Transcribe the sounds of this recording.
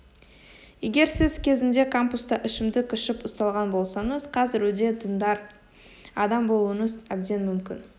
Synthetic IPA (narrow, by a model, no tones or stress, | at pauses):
je̞ɡʲe̞ɾsɪzkʲʰe̞zɪnd̪e̞kʰompust̪ɑʔɪʃɪmd̪ɪkʲʰɪʃɪpəst̪ɑlˠʁɑnbo̞lˠsɑɴəzqʰɑzɪɾwɵd̪e̞d̪ʰənd̪ɑɾ | ɑd̪ɑmbo̞lˠuəɴəzæbd̪e̞nmʏmkʲɪn